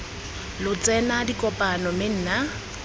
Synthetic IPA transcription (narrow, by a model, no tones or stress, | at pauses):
lʊt͡sʼɛnadikʼɔpʼanɔmɪn̩ːna